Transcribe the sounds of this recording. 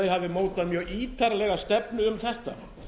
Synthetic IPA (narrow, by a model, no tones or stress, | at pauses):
ðɪhavðɪmoːwt̪aðmjœːiːt̪ʰaɾalɛɣast̪ɛpnʏʏmθɛht̪a̰